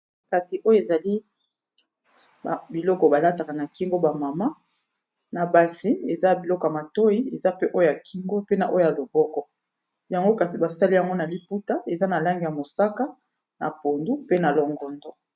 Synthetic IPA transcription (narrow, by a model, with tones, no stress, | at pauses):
ka˨si˨ʔo˦jo˦e˨za˨li˦ | ba˨bi˨lɔ˦kɔ˨ba˨la˦ta˨ka˨na˨ki˦ŋɡo˦ba˨ma˨ma˦ | na˨ba˨si˦e˨za˦˨bi˨lɔ˦kɔ˨ja˨ma˨to˦ji˦e˨za˦pe˦ʔo˦jo˦ja˨ki˦ŋɡo˦pe˦na˨ʔo˦jo˦ja˨lo˨bɔ˦kɔ˦ | ja˨ŋɡo˦ka˨si˨ba˨sa˦li˦ja˨ŋɡo˦na˨li˦pu˦ta˦ʔe˨za˦na˨la˦ŋɡi˨ja˨mo˨sa˦ka˦ | na̰˨po˨ndu˦pe˦na˨lo˨ŋɡɔ˨ndɔ˦